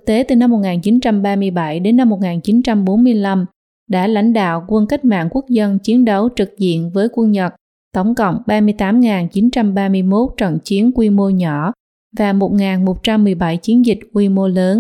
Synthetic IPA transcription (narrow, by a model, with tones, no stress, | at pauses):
tk̚t̪e˨˦t̪ɨ˨˩na˧mːo˨˩t̚ŋaː˨˩nt͡ɕi˨˦nt͡ɕa˧mɓaː˧mɨ˧əjɓa˧˩jɗe˨˦nːa˧mːo˨˩t̚ŋaː˨˩nt͡ɕi˨˦nt͡ɕa˧mɓo˨˦nmɨ˧əjla˧m | ɗa̰ː˧˥la̰˧˥jŋ̟ɗa̰ː˧˨wkwə˧nka˦˥k̟̚ma̰ː˧˨ŋku˦˥ək̚zə˧nt͡ɕi˨˦ənɗə˨˦wt͡ɕɨ˨˩k̚zḭ˧˨ənvəː˨˦jkwə˧nɲə˨˩t̚ | t̪ə˧˩wŋ͡mkə̰˧˨wŋ͡mɓaː˧mɨ˧əjt̪aː˨˦mŋaː˨˩nt͡ɕi˨˦nt͡ɕa˧mɓaː˧mɨ˧əjmo˦˥t̚t͡ɕə̰˧˨nt͡ɕi˨˦ənkwi˧mo˧ɲɔ˧˩ | vaː˨˩mo˨˩t̚ŋaː˨˩nmo˨˩t̚t͡ɕa˧mːɨ˨˩əjɓa˧˩jt͡ɕi˨˦ənzï˨˩k̟̚kwi˧mo˧ləː˨˦n